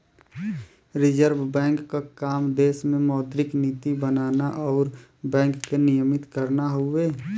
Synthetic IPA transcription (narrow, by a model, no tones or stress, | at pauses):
ɾɪd͡ʒəɾbbɛ̃ːŋkːakaːmd̪eːsmẽmɔːd̪ɾɪkniːt̪ibənaːnaʔɔːɾbɛ̃ːŋkːenijəmɪt̪kəɾnaɦʊeː